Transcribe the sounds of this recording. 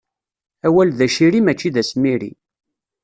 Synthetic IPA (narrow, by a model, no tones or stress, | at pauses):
æwælðæʃiɾimæt͡ʃːiðæsmiɾḭ